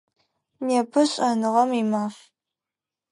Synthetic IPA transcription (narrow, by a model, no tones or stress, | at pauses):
neːpʰɨɕʼɐnɨʁɐmimaːf